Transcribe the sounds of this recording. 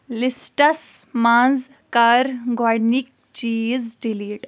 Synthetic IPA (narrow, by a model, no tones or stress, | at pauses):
lisʈɐsmaːz | kaɾɡaɽnik̚ | t͡ʃiːzɖiliːʈ